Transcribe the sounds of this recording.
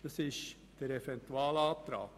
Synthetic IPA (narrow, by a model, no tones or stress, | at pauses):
d̥ɑsɪʃ | d̥əɾɛfɛnt̪uaːlɑːt̪ɾa̰ːk